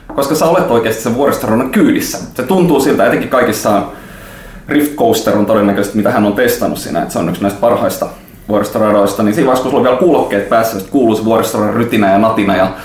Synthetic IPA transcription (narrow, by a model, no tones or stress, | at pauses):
koskɑsæolet̪ːˑoikeːst̪i̥seʋʋuorist̪orɑnɑŋkyːdisːæset̪unt̪uːsilt̪ææt̪eŋkːikɑikisːɑːn | rift̪koust̪eront̪odenːækøsest̪mit̪æhænːont̪est̪ɑnussḭːnæ̰ḛt̪seonyksnæist̪̚pɑrhɑist̪ɑ | ʋuorist̪orɑdoist̪ɑniːnsiːʋɑˑskusuloʋiælkuːlokːeːt̪̚pæːsːæjst̪kuːluːseʋuoɾist̪orɑryt̪inæjɑnɑt̪inɑjɑ